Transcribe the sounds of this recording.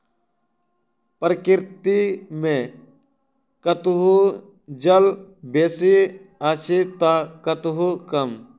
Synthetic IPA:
pɾəkɪɾt̪imẽ | kɐt̪uɦu | d͡ʒɐlbeːsiat͡ʃʰit̪akɐt̪ɦukɐm

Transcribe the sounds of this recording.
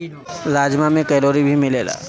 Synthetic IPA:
laːd͡ʒmamẽkɛːɾoːɾibʱimɪleːla̰ː

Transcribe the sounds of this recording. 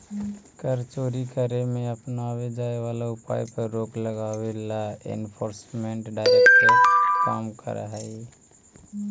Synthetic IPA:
kəɾt͡ʃoɾikəɾemeəpnawed͡ʒaeʋalaʊpa̰jpəɾːokləɡawelaḛnpʰoːɾsmeɳʈɖaɪɾekːeka̰ːmkə̰ɾə̰ɦəi

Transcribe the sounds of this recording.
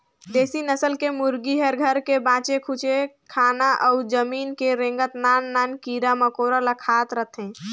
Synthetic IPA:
d̪esinəsəlkemuɾɡiɦəɾɡʱəɾkebãt͡ʃekʰut͡ʃekʰanaʔəud͡ʒəminkeɾẽŋɡət̪nanːankiɾaməkoɾalakʰat̪ɾəɦt̪ʰẽ

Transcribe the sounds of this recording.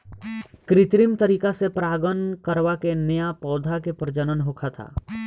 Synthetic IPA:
kɾɪt̪ɾɪmt̪əɾiːkasepɾaːɡənkəɾwakenɐjapɔːd̪ʱakepɾəd͡ʒənənɦoːkʰat̪ʰa̰ː

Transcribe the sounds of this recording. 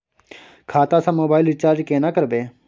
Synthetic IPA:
kʰaːt̪ãːsãːmoːbaːɪlɪt͡ʃaːɾd͡ʒkeːnakəɾbeː

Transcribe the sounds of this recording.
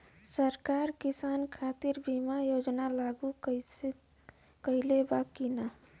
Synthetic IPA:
səɾkaːɾkɪsaːnkʰaːt̪iɾbimajoːd͡ʒnalaɡu | kəilebakina

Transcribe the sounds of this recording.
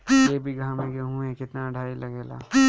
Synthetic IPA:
jebʱiɡʱãmẽkeɦũẽkɪt̪naɖʱaːilɐɡeːla̰ː

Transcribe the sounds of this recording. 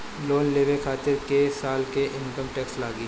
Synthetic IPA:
loːnleːʋekʰaːt̪ɪɾkesaːlkeʔɪ̃nkəmʈɛːkslaːɡiː

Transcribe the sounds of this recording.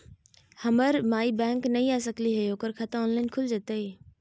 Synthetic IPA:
hɐməɾmaːibɛ̃ːŋknɐɦĩaːs̬əkliɦejoːkəɾkʰat̪ãoːnlaːɪnkʰʊld͡ʑət̪ei

